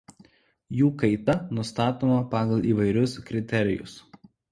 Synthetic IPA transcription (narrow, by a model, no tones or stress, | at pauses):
juːkɐɪt̪ɐnʊst̪ɑːt̪oːmɐpɑːɡɐlˠiːʋɐɪɾʲʊskɾʲɪt̪ʲɛɾʲɪjʊ̰s